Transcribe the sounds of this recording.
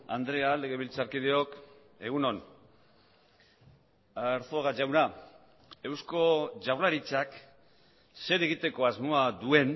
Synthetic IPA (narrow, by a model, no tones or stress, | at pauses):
a̰nd̪ɾe̞aleɣeβilt͡saɾkið̞eo̞k | e̞ɣ̞uno̞n | aɾθoɣaʝawna | e̞wsko̞ʝawɾlaɾit͡ʃak | se̞ɾe̞ɣ̞it̪e̞ko̞azmoad̪ue̞n